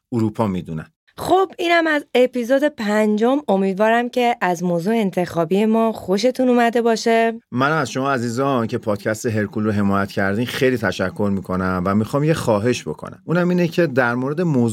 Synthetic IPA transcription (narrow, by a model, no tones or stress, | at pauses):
uɾuːpʰɒːmiːd̪unæ̰n | xobiːnhæmæzepizod̪e̞pʰænd͡ʒo̞mo̞miːd̪vɒːɾæmcʰe̞ʔæzmoːzuːeːnt̪ʰe̞xɒːbije̞mɒːχoʃ̬e̞t̪ʰunumæd̪e̞bɒːʃemænaæzʃo̞mɒːæziːzɒncʰe̞pʰɒːd̪̥̚cʰæst̪eɦe̞ɾkʰulɾoɦe̞mɒːjæt̪cʰæɾd̪iːmxejliːt̪ʰæʃækʰːo̞ɾmiːkʰo̞næmvæmixɒːmjexɒːɦe̞ʃbo̞̰kʰo̰næ̰muːnæmiːnecʰe̞d̪æɾmoɾe̞d̪e̞moː